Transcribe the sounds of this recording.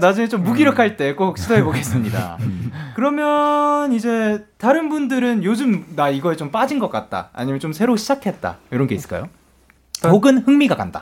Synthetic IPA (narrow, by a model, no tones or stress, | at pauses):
nad͡ʑuŋet͡ɕomːuɡiɾjʌkʰaɭt͈e̞k͈ok̚ɕʰidoɦeboɡe̞s͈ɯmɲida̰kɯɾʌmjʌnid͡ʑe̞taɾɯnbundɯɾɯnjod͡ʑɯmnaiɡʌet͡ɕomp͈ad͡ʑinɡʌk͈at̚t͈a̰a̰ɲimjʌnt͡ɕomsʰe̞ɾoɕʰid͡ʑakʰe̞t̚t͈a̰jʌɾʌnɡe̞is͈ɯ̥ɭk͈a̰jo | poɡɯnhɯŋmiɡaka̰nda̰